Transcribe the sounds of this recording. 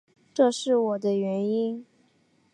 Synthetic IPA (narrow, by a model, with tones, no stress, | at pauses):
ʈ͡ʂɤ˥˧ʂɻ̩˥˩wɔ˨˩d̪ə˦ɥɛ˧˥ni˥n